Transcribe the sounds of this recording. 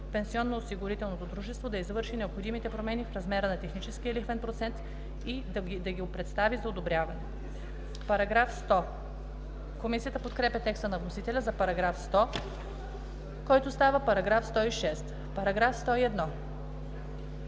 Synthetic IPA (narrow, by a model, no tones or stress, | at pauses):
pɛnsiɔnːoːsiɡʊɾit̪ɛlˠnot̪od̪ɾuʒɛst̪vod̪ɐizvɤɾʃinɛopxod̪imit̪ɛpɾomɛnifɾɐzmɛɾənɐt̪ɛxnit͡ʃɛsk̟iəlixvɛnpɾot̪sɛnt̪ | id̪ | d̪ɐɡʲiopɾɛt̪st̪avizɐod̪obɾʲjavɐnɛ | pɐɾɐɡɾafst̪ɔ | komisijət̪əpot̪kɾɛpʲjɛt̪ɛkst̪ənɐvnosit̪ɛlʲɐzɐpɐɾɐɡɾafst̪ɔ | kɔjt̪ost̪avəpɐɾɐɡɾafst̪ɔiʃɛst̪ | pɐɾɐɡɾafst̪ɔiɛd̪nɔ